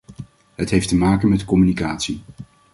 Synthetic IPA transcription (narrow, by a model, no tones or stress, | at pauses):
ɦətɦejftəmaːkənmɛtkɔmynikaːtsi